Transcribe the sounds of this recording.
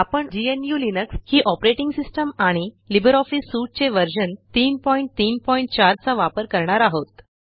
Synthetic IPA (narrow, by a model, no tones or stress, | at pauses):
apəɳd͡ʑienjuːlinəkshiːʔɔpɾeʈiŋɡsisʈəmaɽ̃i | libəɾɔfisːuʈ̚t͡seʋəɾɕənt̪iːnpɔjiɳʈ̚t̪iːnpɔiɳʈ̚t͡ɕaɾt͡saʋapəɾkəɾɳaɾaɦot̪